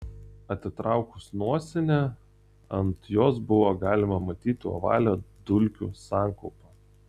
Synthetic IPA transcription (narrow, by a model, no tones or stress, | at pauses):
ɐt̪ʲɪt̪ɾɑˑʊkʊsnuɔsʲɛnʲe | ɐnt̪joːsbʊʋoːɡɑːlʲɪmɐmɐt̪ʲiːt̪ʲɪɔ̰ʋɑ̰ːlʲoːd̪ʊlʲkʲṵːsɑːˑŋkɐʊpɐ